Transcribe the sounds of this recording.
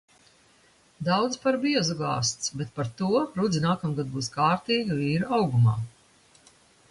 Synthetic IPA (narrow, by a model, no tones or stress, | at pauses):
d̪awd̪spaɾbiɛzuɡɑ̰ːst̪sbet̪̚paɾt̪uɔɾud̪zinaːkamɡad̪̚buːskaːɾt̪iːɡaviːɾawɡuma̰ː